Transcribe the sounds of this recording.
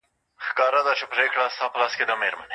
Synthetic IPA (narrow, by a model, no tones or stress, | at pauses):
xkɑːɾad̪at͡ʃepɾekɽast̪ɑːpəlɑsked̪ameɾmɐne